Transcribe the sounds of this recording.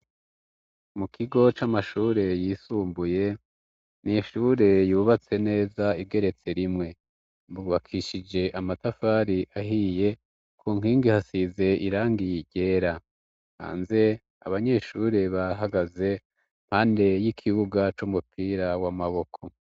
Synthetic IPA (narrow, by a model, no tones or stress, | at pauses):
mukʰiɡo̞t͡ʃamaʃuːɾe̞jiːsuːmbuje̞ | nijʃuːɾe̞juːβat͡se̞ne̞ːzaiɡe̞ɾe̞t͡se̞ɾimŋe̞ | mbuːβakʰiʃid͡ʒe̞ʔamatafaːɾiʔahije̞ | kʰuːŋ̥hiːŋɡihasize̞ʔiɾaːŋɡiɟe̞ːɾa | ha̰ːnze̞ | a̰βaɲe̞ʃuːɾe̞βaɦaɡaze̞ | m̥haːnde̞jikʰiβuɡat͡ʃuːmupʰiːɾawamaβo̞kʰo̞